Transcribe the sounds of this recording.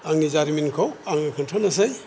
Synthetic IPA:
aŋnizaɾiminkʰɔwaŋnikʰɯntʰɔnas̬aj

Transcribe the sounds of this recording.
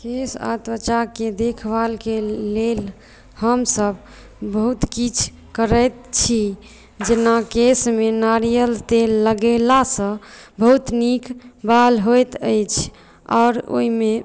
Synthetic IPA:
kesa̰t̪ət͡ʃaked̪ekʰbalkelel | həmsəb | bəɦut̪kit͡ʃʰ | kəɾəjt̪̚t͡ʃʰi | d͡ʒenakesmenaɾijəlt̪eːəɡelasə̃bəɦut̪nikbalɦojt̪əjt͡ʃʰ | ɔ̰ːɾo̰ime

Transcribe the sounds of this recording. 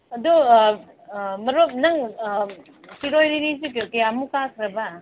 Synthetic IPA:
ɐdu | mɐɾop̚naŋ | kiɾojɾinisikekejamukakʰɾɐba

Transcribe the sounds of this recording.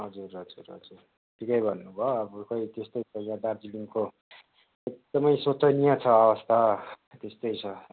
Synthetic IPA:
ɦʌd͡zurɦʌd͡zurɦʌ̰d͡zur | ʈʰikʌjbʱʌnːubʱoʌbʌkʌjt̪est̪ʌjt͡sʰʌjãd̪ard͡zilimko | ek̚d̪ʌmʌjsot͡sʌnijat͡sʰʌʌbʌst̪ʰa | t̪est̪ʌjt͡sʰʌ

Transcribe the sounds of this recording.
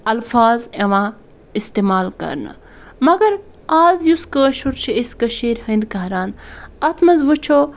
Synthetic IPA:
ɐlfaːzeʋãː | ist̪eːmaːlkɐ̰ɾnə̰ | mɐɡɐɾ | aːzjuskəːʃuɾt͡ʃʰieskɐʃiːɾhɐ̃nd̪kɐɾaːnɐt̪ʰmɐzʋət͡ʃʰoː

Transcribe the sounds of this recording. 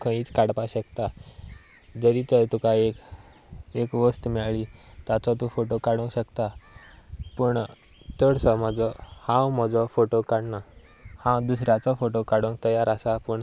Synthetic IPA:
kʰə̃iːt͡skaɽpaɕəkt̪a | d͡zəɾit̪əɾt̪ukaek | ekʋəst̪mɛɭɭit̪at͡sɔt̪ũfoʈokaɽũŋkɕəkt̪a | puɳ | t̪əɽsɔməd͡zɔhãwm̤ɔd͡zɔfoʈokaɽna | hãd̪usɾjat͡sɔfoʈokaɽũŋk̚t̪əjaɾasapuɳ

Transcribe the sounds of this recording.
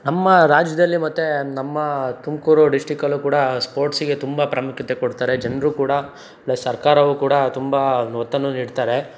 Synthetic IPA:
nɐmːɐɾaːd͡ʒjɐd̪ɐlːimɐt̪ːenɐmːɐt̪umkuːɾuɖisʈɾikɐlːukuːɽɐspoːɾʈsiɡe̞t̪umbɐpɾɐmukʰit̪ekoɽt̪aːɾed͡ʒɐnɾuːkuːɽɐ | ɭɐsɐɾkaːɾɐʋukuːɽɐt̪umbanɔːt̪ːɐnːuniːɽt̪aːɾe̞

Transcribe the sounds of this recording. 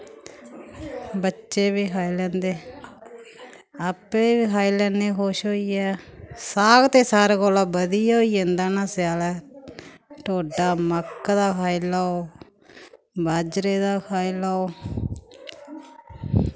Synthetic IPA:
bətːʃeːbiːkʰaːilɛ̃ːnd̪eː | apeːbiːkʰaːiːlɛːneːkoːʃɦoːiːɛːsaːɡt̪eːsaːɾeːkoːlaːbəd̪iːoːiːẽnd̪aːnaːsɪjaːlɛː | ʈoːɖaːməkːd̪aːkʰaːilaːoː | baːd͡ʒɾeːd̪aːkʰaːilaːoː

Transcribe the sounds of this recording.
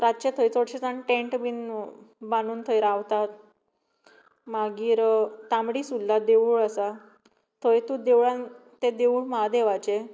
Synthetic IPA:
ɾat̪ːɕet̪ʰəjt͡soɽɕet͡saɳʈẽɳʈbinbanuːnt̪ʰəjɾaʋt̪at̪ | maɡiːɾt̪amɽiːsulːad̪euɭəsa | t̪ʰəjt̪ud̪eʋɭant̪ed̪eʋuɭmad̪eʋat͡ɕe

